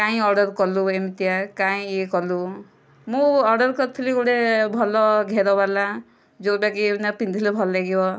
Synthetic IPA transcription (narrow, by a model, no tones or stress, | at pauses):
kaĩɔɾɖɔɾkɔluemit̪ijakaĩekɔlu | mũɔɾɖɔɾkɔt̪ʰiliɡuɽebʱɔlɔɡʱeɾɔbala | d͡ʒoɾbakinapind̪ʱilebʱɔllaɡiɔ